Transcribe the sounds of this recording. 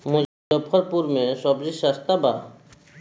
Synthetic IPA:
mo | ɔpʰɔɾpuɾmeʃɔbd͡ʑiʃast̪aba

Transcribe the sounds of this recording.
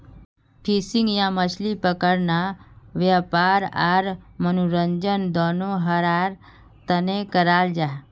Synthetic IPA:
pʰiːsɪ̃ŋɡjãmət͡ʃʰlipəkəɾnaʋjapaːɾaɾmənuɾəɲd͡ʒənd̪ɔːnoɦəɾaːɾ | t̪ənẽkəɾaːld͡ʒaː

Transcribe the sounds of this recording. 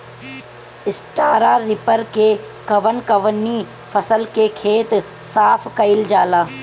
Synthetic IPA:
ɪsʈaːɾaɾɪpəɾke | kɐʋənkɐʋənːi | fʰɐsəlkekʰeːt̪ | saːfʰkɐɪld͡ʒaːlaː

